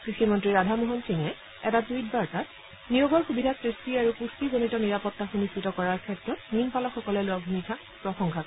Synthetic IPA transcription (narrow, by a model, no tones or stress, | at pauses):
kɹiximɔntɹiɹadʱamuɦɔnsiŋɛ | ɛtatuit̚baɹtat̚ | nijoɡɔɹxubidʱasɹistiaɹukustizonitɔniɹapɔtːaxunistɹitɔkɔɹaɹkʰɛtɹɔtninpalɔxɔkɔlɛlʊabʱunitʰa | pɹɔxɔŋkʰak